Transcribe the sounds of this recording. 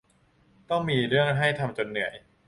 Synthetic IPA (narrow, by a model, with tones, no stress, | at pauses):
t̪ɔ˥˩ŋmiː˧ɾɯ˥˩əŋɦa˥˩jt̪ʰa˧mt͡ɕo˧nːɯ˩˦əj